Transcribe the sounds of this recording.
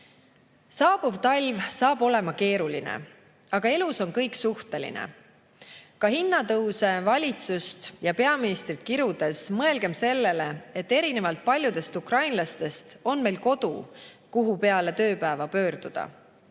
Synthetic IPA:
sɑːb̥uvt̪ɑlʲvsɑːb̥o̞le̞mɑke̞ːɾulinḛ | ɑɡ̥ɑe̞luso̞nkɤjksuht̪e̞lḭnḛ | kɑhinːɑt̪ɤwse̞vɑlʲit̪sust̪jɑpe̞ɑminist̪rit̪̚kiɾud̪̥e̞smɤe̞lɡ̥e̞mse̞lːe̞le̞e̞t̪ːe̞ɾine̞vɑlt̪̚pɑlʲjud̪̥e̞st̪ukrɑjnlɑst̪e̞st̪o̞nme̞jlko̞d̪̥ṵ | kuɦupe̞ɑle̞t̪ø̞ːpæevɑpø̞ːɾd̪̥ud̪̥ɑ̰

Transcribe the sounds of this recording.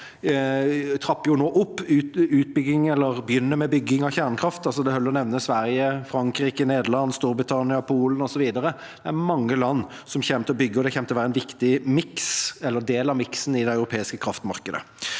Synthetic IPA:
t̪ʰɾɑpːəjʊnoːʔɔpːʉʉːt̪̚bʏɡɪŋɛlːəɾbjʏnːəmɛbʏɡːɪŋɑçæʁnkʰɾɑft̪ɑlsɔd̪ɛhœlːɾɔnɛʋnəsʋæɾjəfɾɑŋkɾiːkəneːd̪əlɑnːst̪uːɾbɾɪt̪ʰɑnɪɑpʰuːlənɔsɔʋiːd̪əɾə | d̪̥ɛæɾmɑŋːəlɑnː | sɔmçɛːmət̪ɔbʏɡːəɔd̪ɛçʰɛːmt̪ɛɔʋæːɾəɛnʋɪkt̪ɪmɪksɛlːəʁd̪eːlɑʋmɪksn̩ɪd̪ɛœʉɾʊpʰeːɪskəkʰɾɑft̪mɑʁkəd̪ə̰

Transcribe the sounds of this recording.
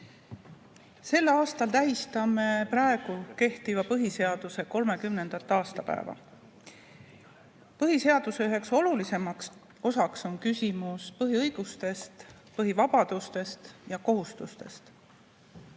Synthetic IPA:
se̞lːɑːst̪ɑlt̪æɦist̪ɑmeprɑe̞ɡ̥uke̞ht̪ivɑpɤɦise̞ɑd̪̥use̞ko̞lme̞kymne̞nd̪̥ɑt̪ːˑɑːst̪ɑpæ̰ḛvɑ̰ | pɤɦise̞ɑd̪̥use̞yɦe̞kso̞lulise̞mɑks | o̞sɑkso̞nkysʲimuspɤɦiɤjɡ̥ust̪e̞st̪ | pɤɦivɑb̥ɑd̪̥ust̪e̞st̪jɑko̞ɦust̪ust̪e̞st̪

